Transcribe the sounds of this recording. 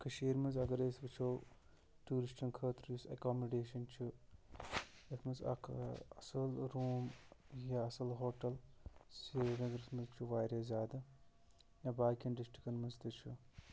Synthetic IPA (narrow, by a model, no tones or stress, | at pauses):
kʰɐʃeːɾmɐzɐɡɐɾeːsbɨt͡ʃʰoː | ʈuːɾisʈɐnkʰɐːt̪ɾisɐ̰koːmoɖeːʃɐnt͡ʃʰu | jɐt̪ʰmɐzɐ̰kʰɐsɐlɾuːmjaɐsɐlɦoːʈɐlseɾɐɡɐɾɨsmɐzt͡ʃʰuʋaːjɾezʲaːd̪ɐ | jãːbaːkʲiɐɳɖisʈikɐnmɐzt̪ɨt͡ʃʰu